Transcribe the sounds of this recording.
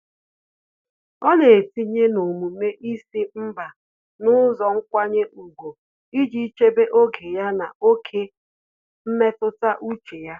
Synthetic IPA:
ɔ˦ne˨ti˦ɲe˦no˨mu˨me˦ʔi˦si˦m̩˦ba˨ | nʊ˦zɔ˨ŋ̩˦kʷa˦ɲe˦ʔu˨ɡo˨ | i˦d͡ʒi˦t͡ʃe˦be˦ʔo˦ɡe˨ja˦na˨o˦kʰe˦ | m̩˦me˦tʊ˦ta˦ʔu˦t͡ʃe˨ja˦

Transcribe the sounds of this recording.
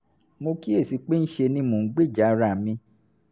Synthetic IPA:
mo˧ki˦e˦˨si˨˧˦k͡pe˦n̩˦ʃe˧nĩ˧˦mõ˨˦ɡ͡be˦˨d͡ʒa˨˦˧ɾa˨mĩ˧

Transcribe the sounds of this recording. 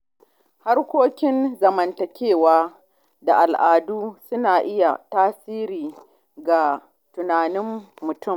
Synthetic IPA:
ha˦rkʷoː˦kʲɪ˦nzɐ˨mɐ˨ntɐ˨kʲeː˦˨waː˦ | da˨ʔa˨lʔaː˨duː˦sʊ˦naː˨ʔɪ˦ja̰˨taː˦siː˦ɾiː˨ | ɡa˨ | tʊ˨naː˨nɪ˦mːʊ˨tʊ˦˨m

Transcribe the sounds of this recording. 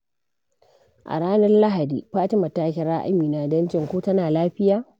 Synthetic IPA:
ʔa̰˨ɽaː˦nɐ˦rla˦ɦa˨diː˨ɸaː˦tɪ˦mɐ˨taː˦kʲɪ˦ɾa˦ʔa̰˦miː˨na˨dɐ˦nd͡ʒɪ˨ŋkʷuː˦tɐ˦naː˨laː˦ɸɪ˦jaː˨

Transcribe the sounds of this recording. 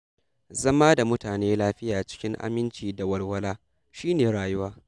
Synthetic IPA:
zɐ˦maː˦da˨mʊ˦taː˨neː˦laː˦ɸɪ˦jaː˨t͡ʃɪ̥˦kʲɪ˦ŋʔa̰˦mɪ˦nt͡ʃiː˨da˨wɐ˨rwɐ˦laː˦ | ʃiː˦neː˨ɽaː˨jʊ˦waː˦

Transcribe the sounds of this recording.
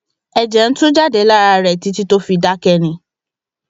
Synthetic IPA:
ɛ˨d͡ʒɛ˨n̩˦tũ˦d͡ʒa˦dɛ˨˦la˦˨ɾa˧ɾɛ˨ti˨˦ti˦to˦fi˧da˦kɛ˧nĩ˧˦

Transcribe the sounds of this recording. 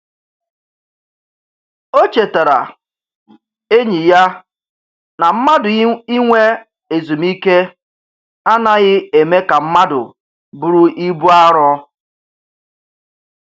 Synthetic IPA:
o˦t͡ʃe˨te˨ɾa̰˨ | e˦ɲi˨ja˦ | na˨m̩˦ma˦dʊ˨i˦ŋʷe˦ | e˨zu˨mi˦ke˦ | a˦na˦ɣɪ˦e˨me˦ka˨m̩˦ma˦dʊ̰˨ | bu˨ɾu˦ʔi˦bu˦a˦ɾɔ˦

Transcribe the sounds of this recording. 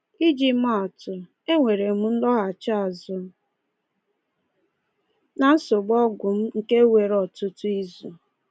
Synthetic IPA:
i˦d͡ʒi˦ma˨tʊ˨ | e˦ŋʷe˨ɾe˨mu˦n̩˦lɔ˦ɣa˨t͡ʃa˦a˨zʊ˨˦ | na˨n̩˦sʊ˨ɡ͡bɔ˦ɡʷʊ˨m̩˦ŋ̩˨ke˦we˨ɾɔ˨tʊ˦tʊ˦i˦zu˨

